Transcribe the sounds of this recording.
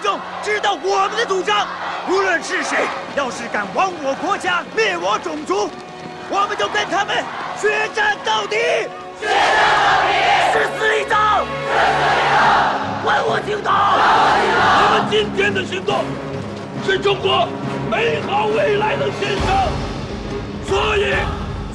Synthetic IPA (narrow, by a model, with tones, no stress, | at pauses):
ʈ͡ʂʊ˥˩ŋ | ʈ͡ʂɻ̩˥t̪ɑ˥˩ʊwɔ˨˩mə˧˦nd̪ə˧t͡su˨˩ʈ͡ʂɑ˥ŋu˧˥lwə˨nʂɻ̩˥˩ʂe˧˥ɪjɑ˥˧ʊʂɻ̩˥˩ka˨˩nwɑ˥ŋwɔ˧˩kwɔ˧˥t͡ɕja˥mjɛ˥˩wɔ˧˥ʈ͡ʂʊ˨˩ŋt͡su˥ | wɔ˨˩mə˨˦nt͡ɕjo˥˩ʊkə˥˧nt̪ʰa˥mə˨nt͡ɕʰɥɛ˧˥ʈ͡ʂa˥˧nt̪ɑ˥˩ʊt̪i˨˩˦ | ʂ̩˥˧sɹ̩˥˧i˧˩ʈ͡ʂɑ˥˧˩ | i˧˥˧wə˥˩nwɔ˨˩t͡ɕi˧˥ʊt̪ɑ˥˩˧ | t̪ʰa˥mə˨˩˨t͡ɕi˥nt̪ʰjɛ˥nd̪ə˨ɕy˧˥ŋt̪ʊ˥˩ŋ | ʂ̩˥˩ʈ͡ʂʊ˥ŋkwɔ˧˥ | me˧˥ɪxɑ˧˥ʊwe˥˩ɪla˧˥ɪd̪ə˨ɕɛ˥nʂʰɤ˥ŋ | swɔ˧˥i˨˧˩